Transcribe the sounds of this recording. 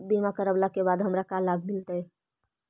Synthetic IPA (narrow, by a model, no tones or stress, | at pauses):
bimakəɾəblakebad̪ɦəmɾakalabʱmilt̪ə